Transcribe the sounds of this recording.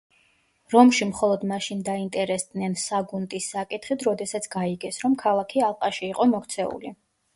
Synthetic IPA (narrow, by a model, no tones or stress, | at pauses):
ɾɔmʃimχɔlˠɔd̪maʃind̪aint̪ʼɛɾɛsd̪nɛnsaɡunt̪ʼisːakʼit̪ʰχit̪ʰɾɔd̪ɛsat̪sʰɡ̥aiɡɛsɾɔmkʰalˠakʰialˠqʼaʃiːqʼɔmɔkt̪sʰɛṵlḭ